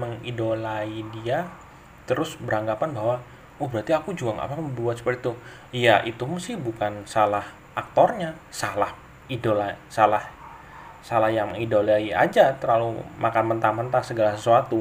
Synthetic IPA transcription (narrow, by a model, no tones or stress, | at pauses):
məŋidolaidia | t̪əɾʊsbəɾaŋɡapanbaɦwa | ɔhbəɾart̪iakud͡ʒuaŋa̰papbəbuat̪sə̥pərit̪u | jaʔit̪uməsɪhbukansalah | ʔak̚t̪ɔrɲa | salah | idolasalah | salahjaŋidolaia̰d͡ʒat̪əɾlalumakanmənt̪amənt̪asəɡalasəsuat̪u